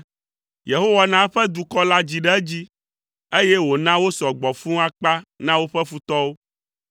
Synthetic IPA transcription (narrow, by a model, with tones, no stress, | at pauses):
je˨ɦo˦wa˨nã˦ɸɛ˦d̪u˨kɔ˦la˦d͡ʑi˨ɖɛ˦d͡ʑi˦ | e˦je˦wo˨nã˦wo˦sɔ˨ɡ͡bɔ˨fũ˦a˦k͡pa˦nã˦wo˦ɸɛ˦fu˦t̪ɔ˦wo˦